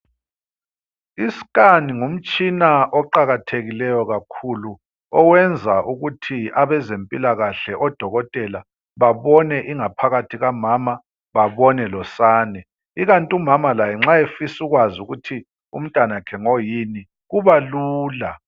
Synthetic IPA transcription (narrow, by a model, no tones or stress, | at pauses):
isi̥kʼaniŋum̩t͡ʃʼinaʔɔǃaɣatʰeɣilɛjɔɣakʰulu | ɔwɛnd͡zʱaʔuɣutʰiaβɛzempʼilaɣaɬɛʔɔd̥ʱɔɣɔtʼɛla | βaβɔnɛʔiŋapʰaɣatʰiɣamama | βaβɔnɛlɔsaːnɛ | iɣantʼumamalajɛŋ͡ǁaefisuɣwazuɣutʰi | ṵm̩tʼwanakʰɛŋojini | ɣuβaluːla